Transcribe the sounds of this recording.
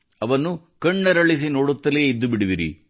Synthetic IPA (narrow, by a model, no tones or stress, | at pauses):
ɐʋɐnːu | kɐɳːɐɾɐɭis̬ino̞ːɽut̪ːɐlieid̪ːubiɽiʋiɾḭ